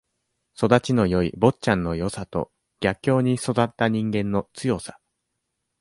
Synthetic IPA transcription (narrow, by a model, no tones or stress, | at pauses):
so̞d̪at͡ɕino̞jo̞ḭbo̞tt͡ɕãnːo̞jo̞sat̪o̞̰ | ɡ̥ʲakʲːo̞ːɲ̟iso̞d̪at̪ːaɲ̟ĩŋɡẽ̞nːo̞t͡sɨjo̞sḁ